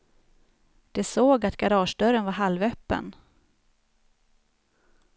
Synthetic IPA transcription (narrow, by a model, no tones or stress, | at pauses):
d̪̥ɛsoːɡat̪ɡaɾɑːʂɖ̪œɾənvaɾɦalvœpːə̰n